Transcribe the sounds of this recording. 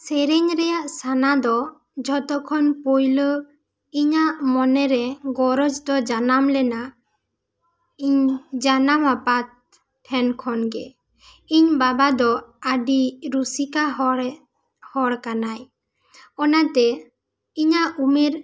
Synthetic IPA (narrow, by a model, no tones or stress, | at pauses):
sɛɾɛɲɾɛjaʔsanad̪ɔ | d͡ʒɔt̪ɔkʰɔnpojlə | iɲaʔmɔnɛɾɛɡɔɾɔd͡ʒd̪ɔd͡ʒanamlɛna | iɲd͡ʒanamapat̪̚ | ʈʰɛnkʰɔnɡɛ | iɲbabad̪ɔaɖiɾusikaɦɔ | hɔɽkanaj | ɔnat̪ɛ | iɲaʔumɛɾ